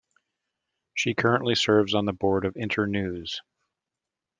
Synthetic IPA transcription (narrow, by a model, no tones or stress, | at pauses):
ʃikʰɜ˞ə̃nʔlisɜ˞vzn̩ðəbɔɹɾʌvɪ̃ntʰə˞nʉz̥